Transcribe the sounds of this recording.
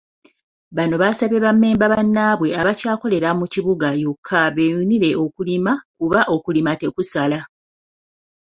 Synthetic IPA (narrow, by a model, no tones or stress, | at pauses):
βano̞βasaβe̞βamːe̞ːmbaβanːaːβwe̞aβacaːko̞le̞ɾamuciβuɡajukʰːaβe̞uniɾe̞ʔo̞kulimakuβaʔo̞kulimate̞kusala